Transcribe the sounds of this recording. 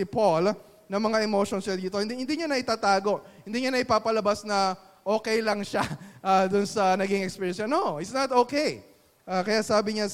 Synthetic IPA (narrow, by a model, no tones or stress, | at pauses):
ɪpol | nɐŋmɐŋaʔɛmoːʃonsɐld̪iːt̪ohɪnd̪ihɪnd̪iɲanɐʔɪt̪aːt̪aːɡo̞ʔhɪnd̪iːɲanɐʔɪpaːpɐlɐbasnɐ | ʔo̞ːkɛjlɐŋʃaʔaːd̪ʊnsɐnɐɡɪŋɛkspiːɹjɛnsɐnoʔɪt̪snɐt̪ʔokej | ʔakɐjaʔsaːbɪɲa